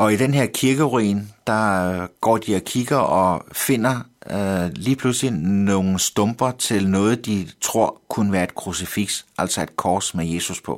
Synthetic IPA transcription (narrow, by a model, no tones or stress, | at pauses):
ʔɒ̽id̥enɦeɐ̰kʰiɐɡ̥əʁḭːnd̥ɑ̈ɡ̥ɒ̰ːd̥iɒ̽kʰiɡ̥ɐʔɒ̽fe̝n̰ɐ | liːpʰluslinoːn̩sd̥ɔ̽mb̥ɐt͡sʰe̝lnɔ̽ːð̞̩ˠd̥it͡sʰʁo̝ɐ̰kʰunəʋæːɐe̝d̥̚kʰʁusifiɡ̥sʔæl̰sɐe̝d̥̚kʰɒːsmeje̝ːsuspʰɔ̽